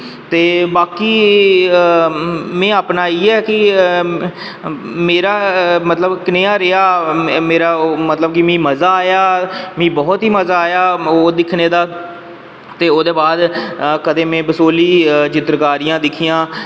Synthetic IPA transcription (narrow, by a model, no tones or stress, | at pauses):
t̪eːbaːkiː | mɛ̃ːaːpnaːiːɛːkɪ | meːɾaːmət̪ləbkɪneːaːɾeaːmeːɾaːmət̪ləbkimĩːməzaːaːjaːmĩːbɔːt̪ɦiːməzaːjaːoːd̪ɪkʰneːd̪aː | t̪eːoːd̪eːbaːd̪kəd̪eːmɛ̃ːbəsoːliːt͡ʃɪt̪ɾkaːɾijãːd̪ɪkʰiːãː